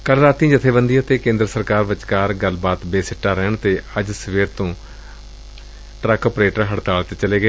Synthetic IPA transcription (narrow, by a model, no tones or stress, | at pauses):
kəlɾaːt̪ĩːd͡ʒɪt̪ʰːeːbənd̪iat̪eːkẽːnd̪ɾəsəɾkaːɾʋɪt͡ʃkaːɾɡəlbaːt̪beːsɪʈːaːɾɛːɳt̪eːəd͡ʒsʋeːɾt̪õː | ʈɾɛːkəːpɾeːʈəɾɦəɽt̪aːlt̪eːt͡ʃəleːɡəeː